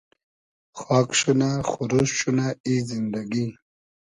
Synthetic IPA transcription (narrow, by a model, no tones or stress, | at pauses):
xɑːkʂunaxuɾuɕɕunaizind̪aɡi